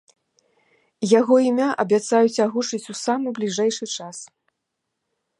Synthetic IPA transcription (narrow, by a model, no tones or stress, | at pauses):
jaɣɔimʲaʔɐbʲat̪sajut͡sʲaɣut͡ʂɨt͡sʲusamɨblʲiʐɛjʂɨt͡ʂas